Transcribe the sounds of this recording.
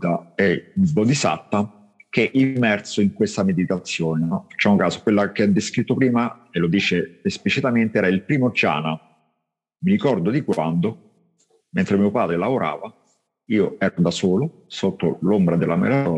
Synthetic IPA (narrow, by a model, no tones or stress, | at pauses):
t̪aɛbod̪isa̰t̪ːa | k̟eʔimːɛrt̪soiŋkwest̪amed̪it̪at̪sːjoːnenfḁt͡ʃːaumŋkaːzokwelːakead̪ːeskɾit̪ːopɾiːmaelod̪iːt͡ʃeesplit͡ʃit̪ament̪eɛːɾailpɾiːmod͡ʒa̰ːna | miɾikɔrd̪od̪ikwand̪o | ment̪ɾemiːopaːd̪ɾelavoɾʔa̰ːva | iːoɛːɾod̪asoːlo | sot̪ːo̰lombɾad̪elːamḛlaɾɔː